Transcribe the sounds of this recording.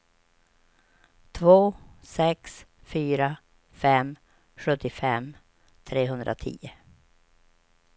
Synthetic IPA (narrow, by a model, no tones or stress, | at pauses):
t̪ʰvoːsɛksfyːɾa | fɛm | ɧɵt̪ːɪfɛm | t̪ʰɾeːɦɵnd̪ɾʔa̰t̪ʰḭːə